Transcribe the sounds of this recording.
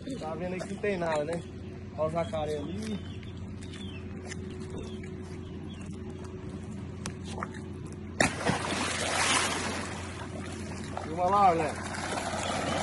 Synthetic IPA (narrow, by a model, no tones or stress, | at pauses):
t̪avẽnd̪ɐikɪnũt̪ẽj̃nad̪ɐnɛ | azakaɾẽɐli | eũmɐlaɡɐ̃